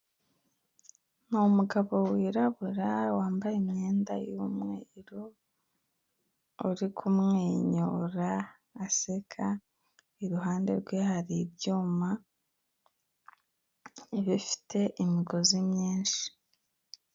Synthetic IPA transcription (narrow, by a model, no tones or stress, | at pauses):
numuɡaβo̞wiːɾaβuɾawaːmbajemɲe̞ːnda̰jumŋḛiɾo | uɾikʰumŋeːɲoɾaː | sekʰa | iɾuɦaːnde̞ɾɡwehaɾibɟuːma | eβifi̥tʰe̞ʔimiɡo̞zimɲiːnʃi̥